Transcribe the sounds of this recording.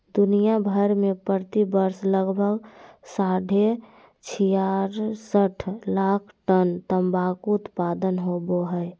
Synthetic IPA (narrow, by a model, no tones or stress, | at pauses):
d̪unijabʱəɾmepəɾt̪ibəɾsləɡbʱəɡsaɖʱe | t͡ʃʰijaɾsəʈʰlakʰʈənt̪əmbakʊt̪pad̪ənɦoboɦəj